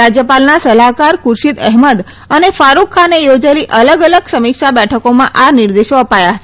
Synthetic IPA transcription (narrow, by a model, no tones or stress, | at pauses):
ad͡ʒjəpalnasəlakaɾkʊɾʃid̪ɛɦməd̪ | ənefaɾukʰːanejod͡ʒaliʔələɡələɡsəmikʃabɛʈʰəkomãʔanɪɾd̪eʃoəpajaɦət͡ʃʰe